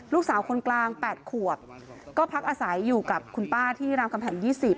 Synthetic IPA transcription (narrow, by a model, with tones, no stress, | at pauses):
luː˥˩k̚saː˩˦wkʰo˧nklaː˧ŋpɛː˨˩t̪̚kʰu˨˩əp̚kɔː˥˩pʰa˦˥k̚ʔaː˧sa˩˦jːuː˨˩ka˨˩p̚kʰu˧npaː˥˩t̪ʰiː˥˩ɾaː˧mkʰa˧mpʰɛ˨˩˦njiː˥˩si˨˩p̚